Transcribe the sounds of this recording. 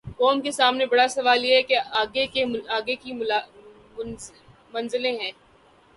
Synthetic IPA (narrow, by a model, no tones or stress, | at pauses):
kɔːmkesaːmnebɐɽasɐʋaːljeɦɛkeaːɡekeaːɡekil | mɐ̃nzɪlẽɦɛ̃ː